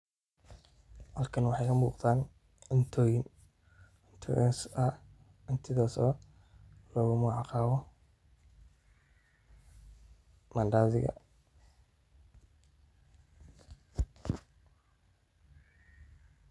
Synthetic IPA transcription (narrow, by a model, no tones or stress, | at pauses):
hɐlkʰɐnwɑħɑjkʰɐmuːqt̪aːn | ɪnt̪ʰɔːjɪn | ɪnt̪ʰɔ̰ʔɛnsɐ | ɪnt̪ʰɪðɔːsɔ̰ | lɔːɣʊmʊʕɑqɑːβɔ | mɐnɖaːðɪ̰ɣɐ̰